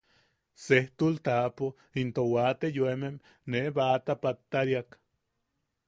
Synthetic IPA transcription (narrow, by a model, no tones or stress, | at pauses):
seht̪ult̪apo | int̪owat̪ejwemem | neβat̪apat̪ːaɾjak